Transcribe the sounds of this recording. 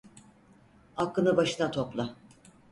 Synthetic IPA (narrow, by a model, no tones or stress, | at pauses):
akːɯnɯbaʃɯnat̪ʰo̞plˠa